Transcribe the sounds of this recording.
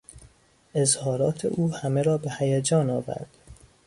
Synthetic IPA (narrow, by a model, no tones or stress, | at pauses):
ʔezhɒːɾɒːt̪ʰḛʔuːhæmeɾɒːbehæjed͡ʒɒːnɒːvæ̰ɾd̪̥